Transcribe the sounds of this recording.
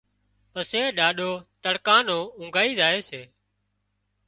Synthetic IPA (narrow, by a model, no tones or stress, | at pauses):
pəseːɗaːɗoːt̪əɽkãːnõːʊ̃ŋɡʱaːiːzaːeːseː